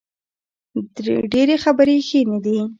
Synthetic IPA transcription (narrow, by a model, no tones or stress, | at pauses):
ɖeɾexabəɾexined̪i